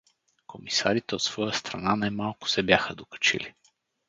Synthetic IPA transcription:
komisa̰ɾit̪ɛot̪sv̥ɔjəst̪ɾɐnanajmalˠkʊ̥sɛbjaxəd̪okə̥t͡ʃḭli

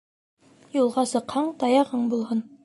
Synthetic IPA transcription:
julˠʁɑsɤ̆qhɑɴt̪ɑjɑhɑɴbulˠhɤn

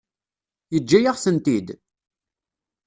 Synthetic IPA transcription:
jəd͡ʒːæjaʁsənt̪id̪

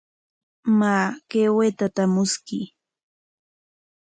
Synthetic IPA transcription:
maːkewet̪at̪amʊskɪ

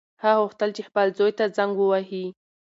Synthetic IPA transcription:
haɣʊxt̪əlt͡ʃexpəlzojt̪ad͡zaŋɡwəwaɦi

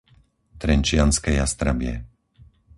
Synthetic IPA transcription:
t̪ɾɛnt͡ʃɪanskɛjast̪ɾabɪɛ̰

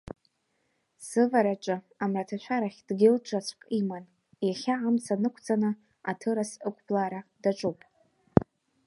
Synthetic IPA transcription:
sɨvaɾat͡ʃʼɨ | amratʰaʃʷʰaɾaχʲd̥ɡʲɪlt͡ʃʷʰat͡ɕʷʰʼkʼiman | jaχʲaʕamt͡sʰanɨkʷʰt͡sʼanɨ | atʰɨɾasɨkʷʰʼblaɾadaʈ͡ʂʷʼupʼ

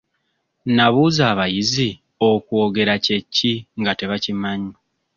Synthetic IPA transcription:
naβuːzaːβajizi | o̞kwoːɡe̞ɾace̞cːiŋɡate̞βacimaɲa

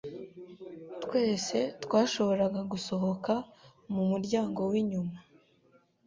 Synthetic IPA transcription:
tkwe̞ːse̞twaːʃo̞βo̞ɾaɡaɡuso̞ɦo̞kamumuɾɟaːŋɡo̞wiɲuma

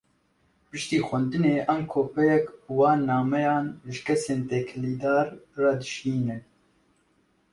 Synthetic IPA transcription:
pɨʃt̪iːxʷɛnd̪ɨneːʔɛmkʰoːpɛjɛkbuwɑːnːɑːmɛjɑːnʒɨkʰɛseːnt̪ɛkʰliːd̪ɑːɾːɑd̪ɨʃiːnɨ

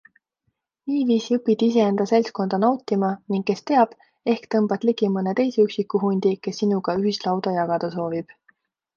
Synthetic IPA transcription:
niːviːsiɤpːˑid̪ise̞end̪̥ɑse̞lsko̞nd̪̥ɑnɑwt̪ʲːimɑniŋɡ̥kːe̞st̪e̞ɑb̥ | e̞hkt̪ɤmb̥ɑt̪liɡ̥imɤnet̪e̞jseyksikːˑuɦunʲd̪̥ike̞sːinuɡ̥ɑyɦislɑwd̪̥ɑjɑɡ̥ɑd̪̥ɑso̞ːvib̥

